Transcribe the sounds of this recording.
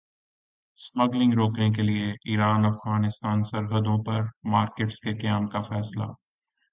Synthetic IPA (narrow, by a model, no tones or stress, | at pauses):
smɐɡlɪ̃ŋɡɾoːknek̬elieʔiːɾaːnɐfɣaːnɪst̪aːnsɐɾɦəd̪õpɐɾmaːɾkeːʈskekɐjaːmkafɛːsla̰